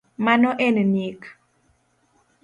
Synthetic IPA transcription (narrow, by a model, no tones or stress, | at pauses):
manɔʔɛnnik